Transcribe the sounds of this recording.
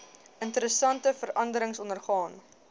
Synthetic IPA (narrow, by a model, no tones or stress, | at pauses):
əntəɾəsɐntəfəɾɐndəɾəŋsɔnərχɑːn